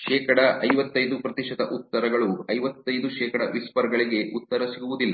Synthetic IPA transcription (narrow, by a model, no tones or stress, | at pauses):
ʃɛːkɐɽɐʔɐjʋɐt̪ːɐjd̪upɾɐt̪iʂɐd̪ɐʔut̪ːɐɾɐɡɐɭuɐjʋɐt̪ːɐjd̪uʃɛːkɐɽɐʋispɐɾɡɐɭiɡe̞ʔut̪ːɐɾɐsiɡuʋud̪ilːɐ